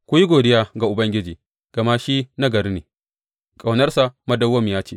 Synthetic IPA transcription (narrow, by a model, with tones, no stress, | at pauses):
kʷʊ˦ji˦ɡʷoː˨dɪ˦jaː˦ɡa˨ʔʊ˨bɐ˦ŋɡʲɪ˦d͡ʒiː˨ | ɡ̥ɐ˨ma˦ʃi˦na˦ɡɐ˨ɾe˦neː˨ | kʼa˨wnɐ˦rsa˨mɐ˦dɐ˦wːɐ˦m˨jaː˦t͡ʃeː˨